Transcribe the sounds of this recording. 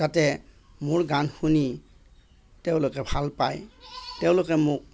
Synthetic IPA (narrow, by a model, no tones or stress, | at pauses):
zatɛ | mʊɹɡanxuni | tɛʊ̃lʊkɛbʱalpajtɛʊ̃lʊkɛmʊk̚